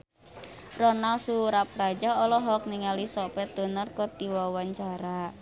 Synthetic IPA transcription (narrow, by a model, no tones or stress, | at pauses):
rɔnalsuɾap̚rad͡ʒaɔlɔɦɔk̚niŋalisɔpɛt̪̚d̪o̤nɔrkɔrt̪iwɔwaɲt͡ʃaɾa